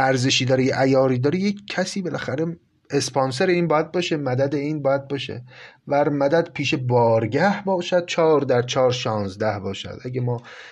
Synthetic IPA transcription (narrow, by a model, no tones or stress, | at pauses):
ʔæɾzeʃiːd̪ɒːɾejeʔæjɒːɾiːd̪ɒːɾejecʰcʰːæsiːbelʔæxæɾe̞ | espɒːns̬eɾeiːnbɒːjæd̪̚bɒːʃemæd̪æd̪eiːnbɒːjæd̪̚bɒːʃḛ | bæɾmæd̪æd̪̥pʰiːʃe̞bɒːɾɟæhbɒːʃæd̪̥̚t͡ʃʰɒːɾd̪æɾt͡ʃʰɒːɾʃɒːnzd̪æhbɒːʃæ̰d̪ʔæɟemɒː